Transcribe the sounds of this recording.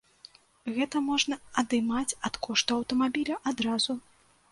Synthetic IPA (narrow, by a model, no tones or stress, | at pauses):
ɣɛt̪ɐmɔʐnɐɐd̪ɨmat͡sʲɐt̪kɔʂt̪uɐwt̪ɐmabʲilʲɐʔad̪ɾazu